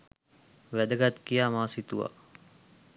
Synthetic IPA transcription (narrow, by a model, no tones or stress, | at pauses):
ʋæd̪əɡat̪kijaːmaːsit̪uʋa̰